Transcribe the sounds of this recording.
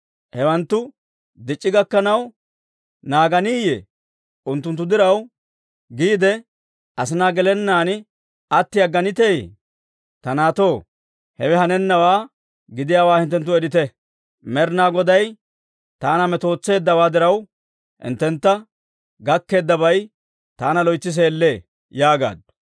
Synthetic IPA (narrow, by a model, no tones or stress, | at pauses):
hɛwɐnt̪ːʊ | d̪ɪt͡ʃʼːɪɡɐkːɐnɐw | naːɡɐniːjɛ | ʔʊnt̪ːʊnt̪ːʊd̪ɪɾɐw | ɡiːd̪ɛ | ʔɐsɪnaːɡɛlɛnːaːn | ɐt̪ːɪɐɡːɐnɪt̪ej | t̪ɐnaːt̪o̞ː | hɛwɛhɐnɛnːɐwaː | ɡɪd̪ɪjaːwaːhɪnt̪ːɛnt̪ːʊɛɾɪt̪ɛ | mɛɾnaːɡɔd̪ɐj | t̪aːnɐmɛt̪o̞ːt͡sːe̞ːd̪ːɐwaːd̪ɪɾɐw | hɪ̰nt̪ːɛnt̪ːɐ | ɡɐkːe̞ːd̪ːɐβɐj | t̪aːnɐlɔjt͡sːɪs̬e̞ːlːeː | jaːɡa̰ːd̪ʊ̥